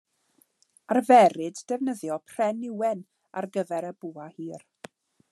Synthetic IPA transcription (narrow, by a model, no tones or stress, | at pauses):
arvɛɾɨdːɛvnəðjɔpʰr̥ɛnɪwɛn | a̰rɡəvɛɾəbuahiːr